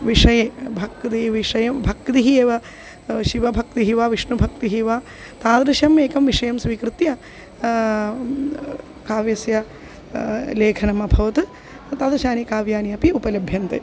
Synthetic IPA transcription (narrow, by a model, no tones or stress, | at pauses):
ʋiʂɐjeːbʱɐk̚ːt̪iiʋiʂɐjɐmbʱɐk̚t̪iɦieːʋɐ | ʃiʋɐbʱɐk̚t̪iɦiʋaʋiʂnubʱɐk̚t̪iɦiʋaː | t̪aːd̪ɾɐʃjɐmeːkɐmʋiʂɐjɐmsʋiːkɾɨt̪jɐ | kaːʋjɐsjɐ | leːkʰɐnɐmɐbʱɐʋɐt̪ɨ | t̪aːd̪ɐʃaːnikaːʋjaːniɐpiupɐlɐbʱjɐnt̪ḛ